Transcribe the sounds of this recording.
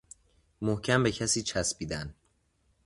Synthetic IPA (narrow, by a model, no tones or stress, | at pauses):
mohcʰæmbecʰæsiːt͡ʃʰæsbiːd̪æn